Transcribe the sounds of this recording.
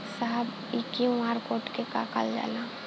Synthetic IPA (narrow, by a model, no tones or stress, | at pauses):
saɦəb | ikiwaːɾkoːʈkeka̰ka̰ld͡ʒa̰la